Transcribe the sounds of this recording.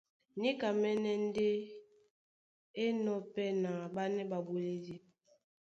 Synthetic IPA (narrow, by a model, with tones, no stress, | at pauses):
ni˦ka˨mɛ˦nɛ˦n˦de˦ | e˦nɔ˦pɛ˦na˨ba˦nɛ˦ba˨bo˨le˦di˦